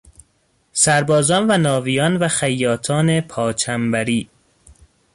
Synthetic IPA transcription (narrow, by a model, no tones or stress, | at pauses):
sæɾbɒːzɒːnvænɒːvijɒːnvæxæjːɒːt̪ʰɒːnepʰɒːt͡ʃʰæmbæɾiː